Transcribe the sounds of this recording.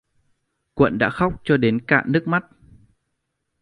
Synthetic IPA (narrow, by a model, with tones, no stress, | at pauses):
kwə̰˧˨nɗa̰ː˧˥xa˦˥wk͡p̚t͡ɕɔ˧ɗe˨˦nka̰ː˧˨nɨ˦˥ək̚ma˦˥t̚